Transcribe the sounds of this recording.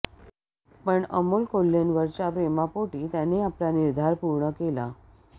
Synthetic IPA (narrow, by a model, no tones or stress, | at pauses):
pəɳə̰mulkolːenʋəɾt͡ɕapɾemapoʈiːt̪janeaplaniɾd̪ʱaɾpuɾɳəkela